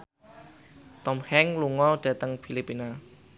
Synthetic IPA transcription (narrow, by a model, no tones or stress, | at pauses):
t̪ɔmhɛŋluŋɔd̥at̪əŋfʰilipːina